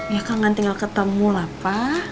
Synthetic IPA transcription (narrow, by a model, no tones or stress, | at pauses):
ŋɡakalŋant̪iŋalkət̪əmulapa